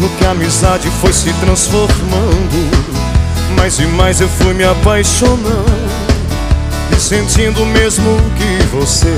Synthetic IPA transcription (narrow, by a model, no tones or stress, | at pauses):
ʊkɪamizad͡ʒɪfojsɪt̪ɾɐ̃sfoɾmɐ̃d̪ʊ | mazɪmajzewfujmɪapajʃonɐ̃d | ɪsẽnt͡ʃĩnd̪ʊmezmʊkɪvose